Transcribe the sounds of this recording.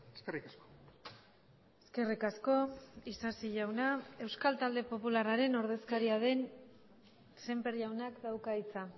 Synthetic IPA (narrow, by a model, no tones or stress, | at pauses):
eskerikasko | eske̞rikasko̞isasiʝawnae̞wskalt̪ald̪e̞po̞pularaɾe̞no̞ɾð̞e̞skaɾiaðe̞n | se̞mpe̞ɾʝawnakd̪awkait͡sa